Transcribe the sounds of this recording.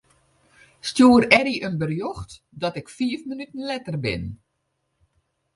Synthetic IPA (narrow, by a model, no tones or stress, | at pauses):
stjuːəɾɛɾiʔənbərjoxt | dɔtɪkfiəfmənytn̩lɛtərbɪ̰n